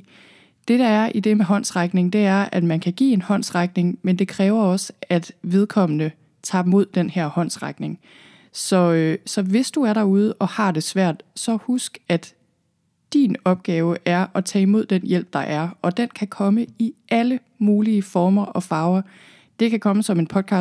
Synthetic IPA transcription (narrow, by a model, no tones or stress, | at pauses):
d̥e̝ɾ̥ɑ̈æɐʔid̥e̝meɦɒ̽n̰sʁaɡ̥ne̝ŋd̥e̝æɐæd̥mænkʰæɡ̥ḭːe̝nhɒ̽n̰sʁaɡ̥ne̝ŋmend̥e̝kʰʁɛːʊɐɒ̽səæd̥ʋe̝ð̞ˠkʰɒ̽m̰ənə | t͡sʰɑ̈mo̝ð̞̰ˠd̥enheɐ̰hɒ̽n̰sʁaɡ̥ne̝ŋ | sɒ̽sɒ̽ʋe̝sd̥uæɐɾɑ̈uð̞ˠəʔɒ̽hɑ̈d̥e̝sʋæɐ̰d̥sɒ̽husɡ̥æd̥ | d̥ḭnɒ̽b̥̚ɡ̥ɛːʊəʔæɐɒt͡sʰɛ̰ːimo̝ð̞̰ˠd̥enjel̰b̥̚d̥ɑ̈ʔæɐɒ̽d̥enkʰækʰɒ̽məiʔælə | muːliəfɒːmɐʔɒ̽fɑ̈ːʊɐ | d̥e̝kʰækʰɒ̽məsɒ̽me̝npʰɒ̽d̥̚kʰɑ̈ː